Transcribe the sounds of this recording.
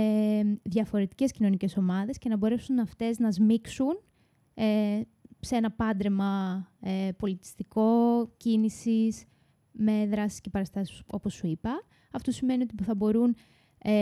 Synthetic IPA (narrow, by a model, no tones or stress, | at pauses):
eðʝɐfo̞ɾe̞t̪i̥ce̞scino̞nice̞so̞mɐðe̞sce̞nɐbo̞ɾe̞sunɐft̪e̞znɐzmiksun | e | se̞nɐpɐnd̪ɾemɐepo̞lit̪i̥st̪iko̞cinisis | me̞ðɾɐsi̥sce̞pɐɾɐst̪ɐsi̥so̞posːuipɐː | ft̪o̞sime̞nio̞t̪ipuθɐbo̞ɾun | e